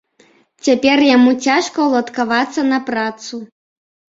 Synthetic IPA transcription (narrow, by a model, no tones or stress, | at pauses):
t͡sʲapʲɛrjamut͡sʲaʂkɐwlˠɐt̪kavat̪sːɐnɐpɾat̪su